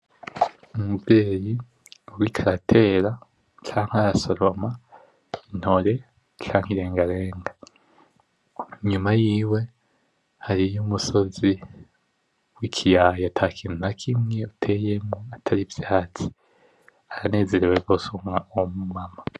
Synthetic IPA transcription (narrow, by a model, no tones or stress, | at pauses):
umuzzeːji | uɾikʰaɾatʰe̞ːɾa | t͡ʃaːŋ̥haɾaso̞ɾo̞ma | in̥ho̞ɾe̞ | t͡ʃaːŋhiɾe̞ːŋɡaɾeːŋɡa | ɲumajiːwe̞ | haɾijumuso̞zi | wikʰijajatʰakʰinunakʰimŋe̞utʰe̞ːje̞mŋoatʰaɾivjaːti̥ | aɾane̞ːze̞ɾewebɡosumŋaomumama